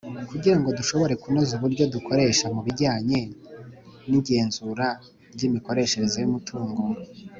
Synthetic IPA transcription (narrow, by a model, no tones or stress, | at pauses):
kuɟiɾaŋɡo̞duʃo̞βo̞ɾe̞kunozuβuɾɟo̞dukʰo̞ɾe̞ʃamuβiɾɟaːɲe̞ | niɟe̞ːnzuɾa | ɾɟimiko̞ɾe̞ʃe̞ɾezojumutʰuːŋɡo̞